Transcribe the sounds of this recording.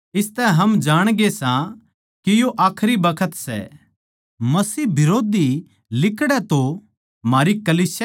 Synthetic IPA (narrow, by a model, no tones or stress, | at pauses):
ɪst̪ɛɦɐmd͡ʒaːɽ̃ɡesã | kijoʔaːkʰɾibɐkʰət̪sɛ̰ | mɐsiːbɪɾoːd̪i | lɪkɽɛt̪o | maːɾikɐliːsja